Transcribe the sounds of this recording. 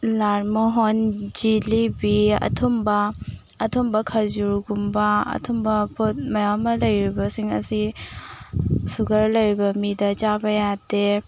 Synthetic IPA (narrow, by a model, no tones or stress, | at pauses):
laɾmoɦond͡ʒilibiɐ̰tʰumbɐːtʰɔmbɐkʰazuɾɡumbɐɐ̰tʰumbɐpʰot̚mɐjawmɐlɐjɾibɐsiŋɐ̰si | suɡɐɾlɐjɾibɐmidɐt͡ʃabɐjade